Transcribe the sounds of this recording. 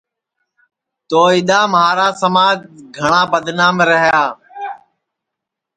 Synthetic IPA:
t̪oːiɗ̪aːmɦaːɾaːsəmaːd͡ʒɡʱəɳaːbəd̪naːmɾəɦjaː

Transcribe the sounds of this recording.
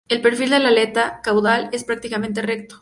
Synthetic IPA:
e̞lpe̞ɾfild̪e̞lale̞t̪akawðale̞spɾak̚t̪ikamẽ̞nt̪̬ere̞k̚t̪o

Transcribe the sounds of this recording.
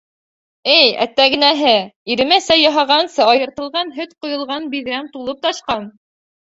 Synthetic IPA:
ɘjæ̰t̪ːæɡɘ̆næɦɘiɾɘ̆mæsæjɑɦɑʁɑnsɤɑjɤ̆ɾt̪ɤ̆lˠʁɑnɦɵt̪qŏjɤ̆lˠʁɑnbiðɾæmt̪ulˠɤp̚t̪ɑʃqɑn

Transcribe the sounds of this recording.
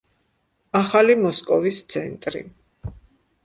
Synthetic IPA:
aχalimɔskʼɔvist̪sʰɛ̰nt̪ʼɾḭ

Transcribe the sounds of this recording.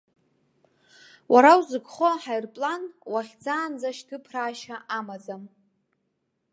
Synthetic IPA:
waɾawzɨɡχoħajrpʼlanwaχʲd͡zaːnd͡zaʃtʰɨpʰraːʃaʔamad͡zam

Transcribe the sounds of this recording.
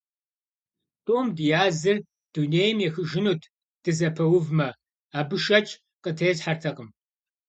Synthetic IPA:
tʼoːmdɨjaːzɨr | d̥uneːjmjɛxɨʒɪnuːtʰ | d̥ɨzɐpʰɐwʊvmɐ | aːbɨʃɐt͡ʃʼ | qətʰɐjzħartʰɐqəm

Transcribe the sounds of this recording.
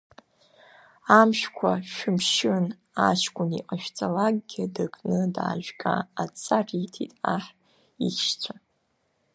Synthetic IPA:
amʃᶣkʷʰaʃᶣʊmʃɨn | aʃkʷʼʊniqʼaʃᶣt͡sʼalaɡ̚ɡʲadɨkʼnɨdaːʒᶣɡʼa̰at͡sʰʼaritʰitʼaħ | ixʃt͡sʷʰa

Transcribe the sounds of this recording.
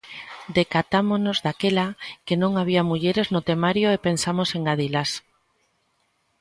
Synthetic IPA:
d̪ekat̪amonozðakelakenõŋaβ̞iamuʎeɾeznot̪emaɾjoepensamoseŋɡað̞ilas

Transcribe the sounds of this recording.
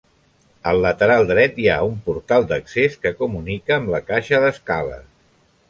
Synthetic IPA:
əlːət̪əɾalˠd̪ɾɛt̪ia̰umpuɾt̪alˠd̪əkseskəkumunikəːmbləkaʃəðəskalə̰

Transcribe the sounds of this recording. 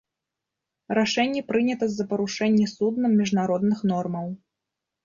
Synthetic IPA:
ɾaʂɛnʲːɛpɾɨnʲɐt̪ɐzːɐpɐɾuʂɛnʲːɛsud̪nɐmːʲiʐnaɾɔd̪nɨxnɔrmɐw

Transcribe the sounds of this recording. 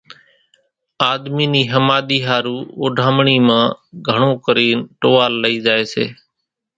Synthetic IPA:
aːd̪miːniːɦəmaːɗ̪iːɦaːɾuːoːɖʱaːmɳiːmãːɡʱəɳõːkəɾiːnʈoːʋaːlːəiːzaːeːsḛː

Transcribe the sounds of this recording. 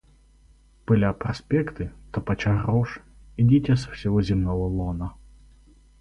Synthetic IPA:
pɨlʲapɾɐsʲpʲɛkt̪ɨt̪ɐpɐt͡ɕarɔʂ | idʲitʲɛsɐfsʲɪvozʲimnɔvɐlˠonɐ

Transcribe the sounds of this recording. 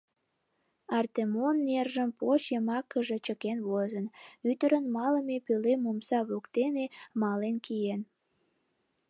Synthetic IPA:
ɑrt̪emonːerʒəmpoɕjemɑkːəʒet͡ɕəkenβozənyt̪əɾənmɑləmepølemumsɑβukt̪enemɑlenkijen

